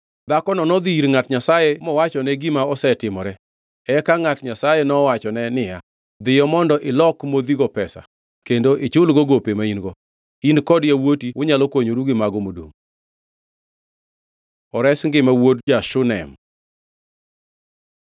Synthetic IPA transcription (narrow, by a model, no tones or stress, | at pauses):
d̪akɔnɔnɔd̪iiɾŋatɲasajemɔwat͡ʃɔnɛɡɪmaɔsɛtɪmɔɾɛ | ɛkaŋatɲasajenɔwat͡ʃɔnɛnɪja | d̪ɪjɔmɔndɔʔɪlɔkmod̪iɡɔpɛsa̰ | kendoʔet͡ʃʊlɡɔɡopemainɡɔ | inkɔdjawotiwʊɲalɔkwoɲoɾuɡɪmaɡɔmodo̰m | ɔɾɛsŋɡɪmawodd͡ʒaʃʊnɛ̰m